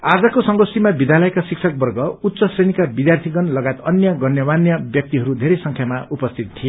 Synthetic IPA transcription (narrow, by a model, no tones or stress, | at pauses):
ad͡zʌkosʌŋɡʌsimabid̪jalʌjkasiksʰʌk̚bʌrɡʌut̪ːsʌsrenikabid̪jart̪ʰiɡʌnlʌɡajt̪ʌnjʌɡʌnjʌbanjʌbjʌk̚t̪iɦʌɾud̪ʱeɾejsʌŋkʰjamaupʌst̪ʰit̪̚t̪ʰie